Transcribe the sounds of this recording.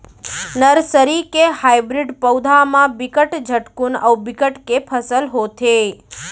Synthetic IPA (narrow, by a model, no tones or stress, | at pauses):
nəɾsəɾikehajbɾiɖpəwd̪ʱamãbikəʈd͡ʒʱəʈkunəwbikəʈkepʰəsəlɦot̪ʰe